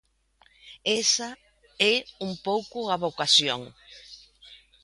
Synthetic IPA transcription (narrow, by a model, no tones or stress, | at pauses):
esa | ɛumpowkʊaβokasjoŋ